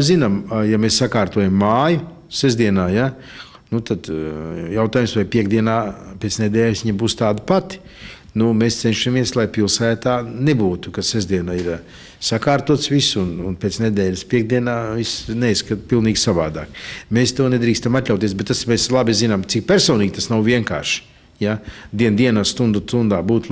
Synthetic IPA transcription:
zinamjameːssakaːɾt̪uɔjamːaːju | sɛzd̪iɛnaːja | nut̪ad̪jawt̪aːjumsʋajpʲiɛɡd̪iɛnaːpʲet̪sned̪ʲɛːlʲsʋiɲbuːst̪aːd̪ipat̪i̥ | numeːst̪ɛnʃamiɛslˠajpilˠsæːt̪aːnebuːt̪u̥kasɛzd̪iɛnaːiɾ | sakaːɾt̪uɔt̪sʋisununpʲet̪sned̪ʲɛːlʲspʲiɛɡ̚d̪iɛnaːvisnɛiskat̪pilˠniːɡʲsaʋaːd̪a̰ːkmeːst̪uɔned̪ɾiːkst̪amat̪ʲlʲawt̪iɛs̬bet̪t̪ːasmeːslˠabizinamt̪ik̚pʲɛɾsoːniːɡʲt̪asnawviɛŋka̰ːɾʃ | jad̪iɛnd̪iɛnast̪und̪ut̪und̪aːbuːt̪

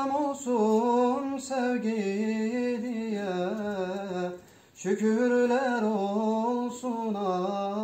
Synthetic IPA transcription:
mosumsɛvɡi | d̪ijɛ | ʃycʰyɾlæɾolˠsunɑ

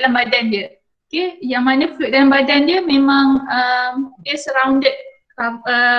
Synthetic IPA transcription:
alambadandə | okejaŋmanə̃pɛʔk̚dalambadandiəmemãŋəmdiəsəɾawndət̪̚ | aə

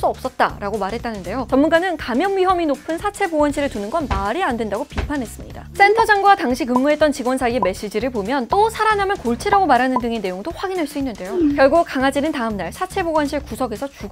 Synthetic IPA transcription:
s͈uʌp̚s͈ʌt̚t͈a̰ɾaɡomaɾɦe̞t̚t͈anɯnde̞jot͡ɕʌmːunɡanɯnkamjʌnɥiɦʌminopʰɯnsʰat͡ɕʰe̞boɡʌnɕʰiɾɯɭtunɯnɡʌnmaɾiandwe̞ndaɡopipʰanɦe̞s͈ɯmɲḭda̰s͈e̞ntʰʌd͡ʑaŋɡuataŋɕʰikɯmːuɦe̞t͈ʌnt͡ɕiɡwʌnsʰaieme̞ɕ͈id͡ʑiɾɯɭpomjʌnt͈osʰaɾaɲamjʌnkoɭt͡ɕʰiɾaɡomaɾɦanɯndɯŋe̞ne̞joŋdoɸwaɡinɦaɭs͈uinːɯnde̞jokjʌɭɡukaŋad͡ʑinɯntaɯmnaɭsʰat͡ɕʰe̞boɡʌnɕʰiɭkusʰʌɡe̞sʰʌt͡ɕuɡ

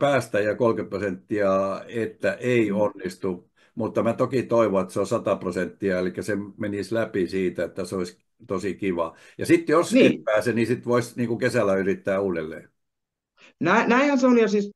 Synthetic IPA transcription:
pæːst̪æjɑkolkeprosent̪ːiɑet̪ːæʔeionːist̪u | mut̪ːɑmæt̪okit̪oiʋoet̪seosɑt̪ɑprosent̪ːiɑelikːæsemenislæpisiːt̪æet̪ːæseois | t̪osikiʋɑ | jɑsit̪joseˑt̪pæːsenisit̪ʋoisniːŋkukesælːˑæyrit̪ːæːuːdelːḛː | nænæihænseolijɑsiːs

